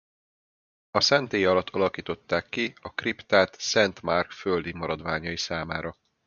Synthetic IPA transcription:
ɒsɛnt̪eːjɒlɒt̪ʰɒlɒkiːt̪o̞t̪ːaːkːiɒkript̪aːt̪sɛnt̪markføld̪imɒɾɒd̪ʋaːɲɒjisaːmaːɾɒ

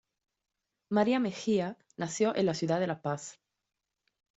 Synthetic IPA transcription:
maɾiamexia | naθjo̞ʔenlasjuðaðe̞lapaθ

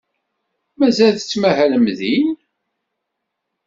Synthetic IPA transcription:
mæzælθət͡sːmæɦæləmðin

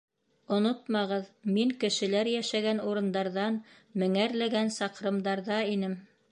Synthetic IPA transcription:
ŏnot̪̚mɑʁɤðmiŋkɘ̆ʃɘ̆læɾjæʃæɡænuɾɤ̆nd̪ɑɾðɑn | mɘ̆ŋæɾlæɡænsɑqɾɤ̆md̪ɑɾðɑinɘm

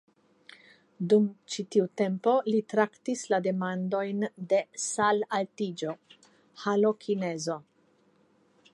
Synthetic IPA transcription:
dumt͡ʃitiute̞mpo̞litɾaktislade̞mando̞jnde̞salaltid͡ʒo̞ | halo̞kʰinezo̞

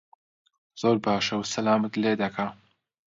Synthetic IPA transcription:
z̥oːɾbaːʃɐwsɐlaːmɐt̪leːd̪ɐkʰa

